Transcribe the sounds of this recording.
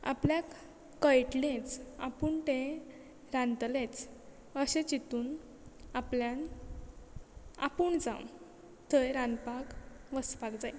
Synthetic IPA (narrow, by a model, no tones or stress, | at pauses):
a̰pljakː | əjʈlẽt͡sa̰puɳʈe | ɾãnt̪let͡s | əɕẽt͡ɕit̪uːn | apljãn | a̰puːɳd͡zã̰w | t̪ʰəjɾanpakʋəspakd͡zaj